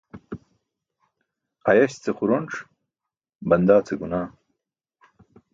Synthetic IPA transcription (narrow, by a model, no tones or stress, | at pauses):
ɐjɐɕt͡sexuɾoɳʈ͡ʂ | bɐnd̪aːt͡sʰeɡunaː